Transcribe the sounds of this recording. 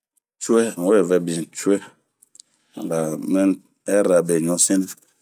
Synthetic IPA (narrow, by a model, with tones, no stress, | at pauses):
t͡ʃu˦ɛ˦˨o˦ɛ˨vɛ˨bi˨n˨t͡ʃu˦ɛ˦˨ | la˨mɛ̃˦n˦ | ɛ˦ɾa˨be˨ɲɔ̃˨sĩ˦n˦